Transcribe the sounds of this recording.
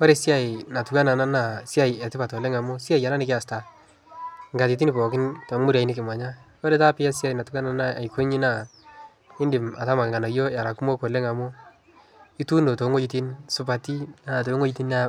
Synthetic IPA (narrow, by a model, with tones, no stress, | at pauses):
o˦ɾe˦si˦a˨ɪ˨na˨tu˨ka˦na˨na˦na˨si˦a˦jɛ˨tɪ˦pa˨to˨le˦ŋa˨mʊ˦si˦a˦ja˨na˦nɪ˦kɪ˦a˨sta˨ | ŋɡa˨ti˨t̬i˦ni˨pɔ˨kɪ˦nto˨˦mu˦ɾa˨i˦nɪ˦k̬ɪ˨mwa˨ɲa˦ | o˦ɾe˦ta˦pɪ˦a˦si˦a˨i˨na˨tu˨ka˦na˨na˦a˨jke˦ɲɪ˦na˨ | ɪ˦ndɪ˨ma˨ta˦ma˨ŋɡa˨na˨jo˦ja˨ɾa˨ku˦mo˦ko˨le˦ŋa˨mʊ˦ | i˦tu˦no˨to˨˦ŋo˦ji˦ti˦nsʊ˨pa˨ti˦a˨t̬o˨˦ŋo˦ji˦ti˦na˨